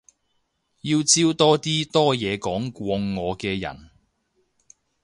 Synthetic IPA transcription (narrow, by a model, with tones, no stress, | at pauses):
jiː˧wt͡siː˥wt̪ɔː˥t̪iː˥t̪ɔː˥jɛː˨˧kɔː˨˥ŋkʷɔː˧ŋːɔː˨˧kɛː˧jɐ̰˨˩n